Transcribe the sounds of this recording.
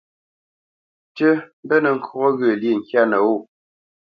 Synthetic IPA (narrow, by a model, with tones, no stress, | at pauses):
tə˦m˦bə˦nə˨ŋ̩˦kɣɔ˦ɣə˨lje˨ŋ̩˨kja˦nə˨o˦˨